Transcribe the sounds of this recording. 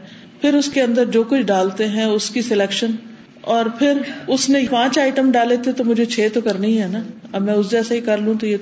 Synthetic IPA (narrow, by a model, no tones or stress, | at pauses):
pʰɪɾʊskeɐ̃nd̪əɾd͡ʒoːkʊt͡ʃʰɖaːlt̪eɦɛ̃ʊskisɪleːkʃən | ɔːɾpʰɪɾʊsnẽpãːt͡ʃaːɪʈəmɖaːlet̪et̪omʊd͡ʒʱet͡ʃʰeːt̪okɐɾnĩɦɛːnaːɐbmɛ̃ːʊsd͡ʒɛːsaɦikɐɾlũːt̪oje